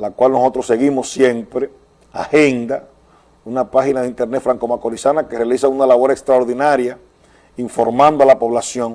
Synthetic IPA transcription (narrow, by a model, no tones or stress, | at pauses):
lakwalnoso̞t̪ɾosːe̞ɣimo̞sːje̞mpɾe | a̰he̞nd̪a | unapaxinaðeint̪e̞ɾnefɾaŋkomakoɾisanake̞realisaunalaβo̞ɾekst̪ɾaoɾðinaɾja | iɱfo̞ɾmãnd̪oalapo̞β̞lasjo̞ŋ